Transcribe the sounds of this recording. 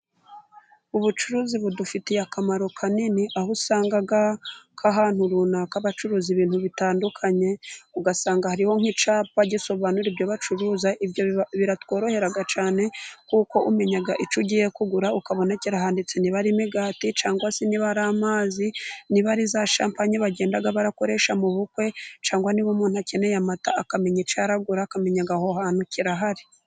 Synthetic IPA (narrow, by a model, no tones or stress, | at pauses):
uβut͡ʃuɾuːziβudufitijakamaɾo̞kʰaniniʔahusaːŋɡaɡakʰaɦan̥huɾunakaβat͡ʃuɾuːziβiːnhuβitaːndukʰaɲe̞uɡasaːŋɡahaɾiho̞ŋ̥hit͡ʃaːpaɟiso̞βanuɾibjo̞βat͡ʃuɾuːzaʔibjoβiɾatwo̞ːɾo̞he̞ɾaɡat͡ʃaːne̞kuko̞ʔume̞ɲaɡaʔit͡ʃuɟiːjekuɡuɾaukaβo̞naciɾaɦaːndit͡seniβaɾimeɡaːtit͡ʃaːŋɡwasiniβaɾaːmaːziniβaɾizaʃaːmpaɲeβaɟeːndaɡaβaɾako̞ɾe̞ːʃamuβukwe̞t͡ʃaːŋɡwaniβomuːnhuacenejamata̰ːkame̞ɲit͡ʃaɾaɡuɾaːkame̞ɲaɡahohaːnhuciɾaɦaɾi̥